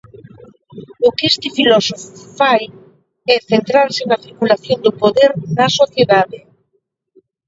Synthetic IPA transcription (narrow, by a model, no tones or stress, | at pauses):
ʊkest̪ɪfilɔsoffaj | ɛθent̪ɾaɾsɪnɐθiɾkulaθjond̪ʊpoðeɾnɐsoθjeðaðe